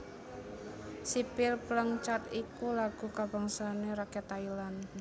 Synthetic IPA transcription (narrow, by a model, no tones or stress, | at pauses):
sipɪlpləŋt͡ʃat̪ikulaɡ̥ṳkaba̤ŋsaneɾakɛt̪ailan